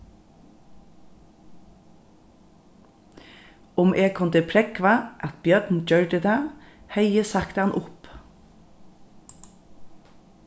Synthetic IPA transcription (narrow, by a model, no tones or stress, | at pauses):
ʊmʔeːkʰɔnd̪ɪpʰɾɛkʋɑʔɑt̪̚bjœːʈn̩d͡ʒœɹɖəd̪æːhœɪəsɑkt̪ɑnʔʊp